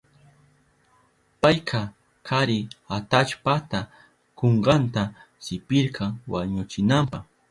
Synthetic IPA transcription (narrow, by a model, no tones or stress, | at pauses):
pajkʰa | kʰaɾɪat̪at͡ʃpat̪a | koɴɢɑnt̪a | sɪpɪɾkʰɑŋwaɲʊt͡ʃɪnampɑχ